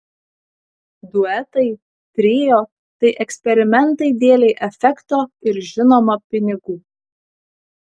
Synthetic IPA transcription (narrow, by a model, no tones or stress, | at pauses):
d̪ʊɛt̪ɐɪ | t̪ʲɾʲeːjoː | t̪ɐɪʔɛksʲpʲɛɾʲɪmʲɛnt̪ɐɪd̪ʲeːlʲɛɪʔɛfʲɛkt̪oːɪɾʒʲɪnoːmɐpʲɪnʲɪɡuː